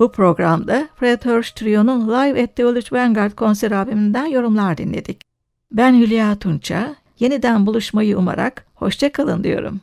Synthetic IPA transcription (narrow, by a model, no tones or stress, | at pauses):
b̥upʰɾo̞ɡɾamd̪afɾet̪høɾst̪ɾijonunlˠajvɛt̪ːeolˠut͡ʃbæŋɡaɾd̪̚kʰo̞nsæɾabimind̪ænjo̞ɾumlˠaɾd̪inlʲḛd̪ic | bænhylʲijaːt̪ʰunt͡ʃʰa | je̞nid̪ænbulˠuʃmajɯuma̰ɾa̰kho̞̰ʃt͡ʃʰakʰalˠɯ̰nd̪ɯ̰jo̞̰ɾṵm